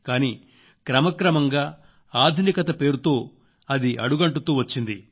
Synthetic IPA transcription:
kaːniː | kɾɐmɐkɾɐmɐŋɡaː | aːd̪ʱinikɐt̪ɐpe̞ːɾut̪o̞ː | ɐd̪iʔɐ̰ɽuɡɐɳʈut̪uːʋɐt͡ʃːind̪i

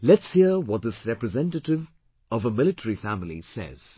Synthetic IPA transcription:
lɛtshiəwɔt̚ðɪsɹɛpɹɨzɛ̃ntətɪv | ʌvəmɪlɨtʰəɹifæmlḭsɛ̰z̥

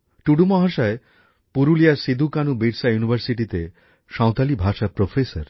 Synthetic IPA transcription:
ʈuɽumɔɦaʃae | puɾulijasid̪ukanubiɾsajunibʱəɾsiʈit̪e | ʃãw̃t̪alibʱaʃapɾofʰesaɾ

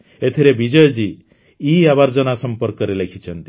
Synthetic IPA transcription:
et̪ʰiɾebid͡ʒɔjɔd͡ʒi | iaβaɾd͡ʒɔnasɔmpɔɾkɔɾelekʰit͡ʃʰɔnt̪i̥

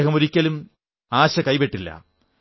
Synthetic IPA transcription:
ɣɐmoɾikʲːɐlum | aːɕɐkɐjpeʈːilːɐ̰

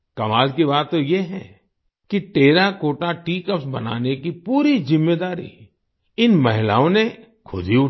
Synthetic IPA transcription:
kɐmaːlkibaːt̪ːojeɦɛ̰̃ | kiʈeːɾakoːʈaʈiːkəpsbɐ̰na̰ːnekipuːɾizɪmːed̪aːɾḭ | ɪnmɐɦɪla̰ːõne | kʰʊ̰d̪ʱiʊ

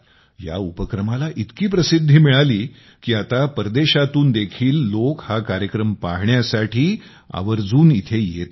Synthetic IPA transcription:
ja̰upəkɾəmalaʔit̪kiːpɾəsid̪ʱːiːmiɭaliː | kiːat̪apəɾd̪eɕat̪uːnd̪ekʰiːlːokhakaɾjəkɾəmpaɦɳjasaʈʰiː | a̰ʋəɾd͡zuːnit̪ʰejet̪

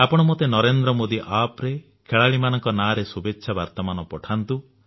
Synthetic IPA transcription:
apɔɽ̃ɔmot̪enɔɾend̪ɾɔmod̪iʔapɾe | kʰeɭaɭimanɔŋkɔnaɾesubetːʃʰabaɾt̪ɔmanɔpɔʈʰant̪u

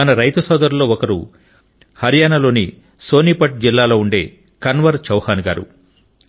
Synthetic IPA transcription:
ɐnɐɾɐjt̪ɐsɔːd̪ɐɾulːo̞ːɔkɐɾṵ | hɐɾjaːnɐlo̞ːni | so̞ːniːpɐʈ̚d͡ʒilːaːlo̞ːuɳɖe̞̰ː | kɐnʋɐɾt͡ʃɐwhaːnuɡa̰ːɾṵ

